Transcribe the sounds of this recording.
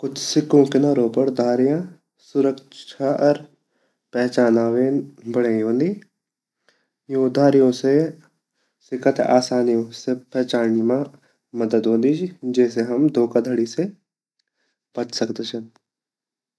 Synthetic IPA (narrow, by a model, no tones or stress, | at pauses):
kʊt͡ʃʰsɪkːõkenəɾõːpəɾd̪ʱaːɾijã | sʊɾəkʃʰaʔɔɾ | pɛːt͡ʃaːnaːʋeːnbəɽeːĩɦõːnd̪iː | joːd̪ʱaːɾijõse | sɪkət̪a̰ːsaːnijõsepɛːt͡ʃaːnmã | mɐd̪əd̪ɦõːnd̪id͡ʒid͡ʒɛːseɦɐmd̪ʱoːkad̪ʱəɽise | pət͡ʃsɐkt̪et͡ʃʰən